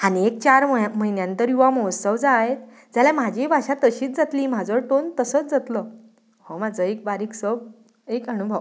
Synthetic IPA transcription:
aniek̚t͡ɕaɾm̤əɦinjãnt̪əɾjuʋamɔwsəʋd͡zaːɦet̪ | d͡ʑjaljam̤ad͡ʑibʱaɕat̪əɕiːt͡sd͡zat̪liːm̤ad͡zəʈont̪əsəːt͡sd͡zat̪lə | homad͡zʱəek̚baɾiːksəb | ekɦəɽ̃ubʱəʋ

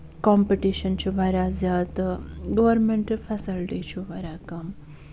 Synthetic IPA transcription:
kɔmpiʈiʃɐnt͡ʃʰuʋɐɾaːzjaːt̪ɡɐʋɐɾmeɳʈfʰɛsilʈit͡ʃʰuʋɐɾaːkɐm

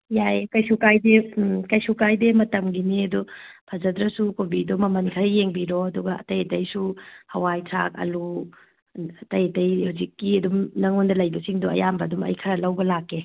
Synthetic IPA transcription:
jajkɐjsukajdekɐjsukajdemɐtɐmɡiniɐdupʰɐzɐdɾɐsukobidɔmɐmɐnkʰɐɾjeŋbiɾoɐduɡɐɐ̰tɐjtɐjsuhɐwajtʰa̰kɐ̰lu | tɐjtɐjhuzikːiɐdumnɐŋondɐlɐjbɐsiŋduɐ̰jambɐdumɐ̰jkʰɐɾɐlɐwbɐlakːe

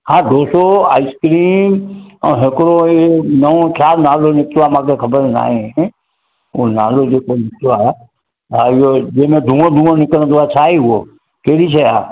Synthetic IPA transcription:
hãːd̪oːsoa̰ːɪskɾiːmɔ̰̃ːɦɪkɾoenəõkʰjaːɾnaːlonɪk̚t̪ʋamãːkʰekʰəbəɾna̰ːẽ | ona̰ːlod͡ʒeːkonɪkt̪a | ɦaɪjod͡ʒeːmẽd̪ʱũõd̪ʱũːõnɪkəɽ̃d̪oat͡ʃʰaːiɦʊo | keːɽit͡ʃʰəjaː

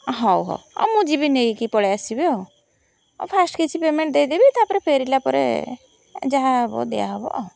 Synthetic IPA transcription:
ɦɔwɦɔ̰wɔ̰mũd͡ʒibinejkipɔɽeasibio̰ | pʰasʈkit͡ʃʰipemeɳʈ̚d̪ejd̪ebit̪ʰapɔɾepʰeɾilapɔɾḛ | d͡ʒaɦaɔbɔ̰d̪eja̰ɦɔbɔ̰ʔ

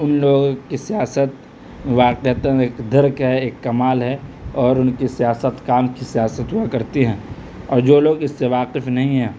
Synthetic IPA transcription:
ʊnloːɡõkisijaːsət̪ | ʋaːqeɦt̪ə̃eːkd̪ɐɾkɦɛeːkːɐmaːlɦɛɔːɾʊnkisijaːsət̪kaːmkisijaːsət̪ɦuakɐɾt̪eɦɛ̃ː | ɔːɾd͡ʒoːloːɡɪsːeʋaːqɪfnɐɦĩɦɛ̃ː

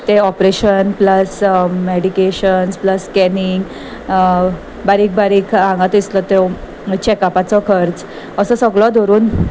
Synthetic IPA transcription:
t̪eɔpɾeɕənpləsmeɽikeɕənspləskɛniŋɡ | baɾiːk̚baɾiːkʰãŋɡat̪islɔt̪e | t͡ɕekapat͡sɔkʰəɾt͡s | əsəsəɡɭɔd̪ʱɔɾuːn

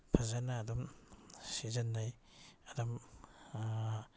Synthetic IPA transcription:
pʰazanaːdɔmsizɐnːaj | adɔm

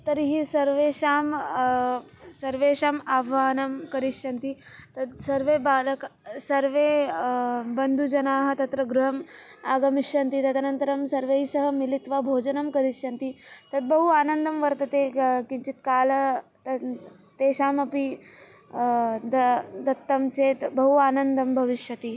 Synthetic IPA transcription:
t̪ɐɾiɦisɐɾʋeːʃaːm | sɐɾʋeːʃaːmaːbʱʋaːnɐmkɐɾiʂjɐnt̪i | t̪ɐd̪sɐɾʋeːbaːlɐksɐɾʋeː | bɐnd̪ʱud͡ʒɐnaːɦɐ̆t̪ɐt̪ɾɐɡɾuɦɐmaːɡɐmiʃjɐnt̪it̪ɐt̪ɐnɐnt̪ɐɾɐmsɐɾʋejsɐɦɐmilit̪ʋabʱoːd͡ʒɐnɐmkɐɾiʃjɐnt̪it̪ɐd̪̚bɐɦuaːnɐnd̪ʱɐmʋɐɾt̪ɐt̪eːkiɲt͡ʃit̪kaːlɐt̪ɐ | t̪eːʃaːmɐpi | d̪ɐd̪ɐt̪ːɐmt͡ʃeːt̪bɐɦuaːnɐnd̪ɐmbʱɐʋiʂjɐt̪i

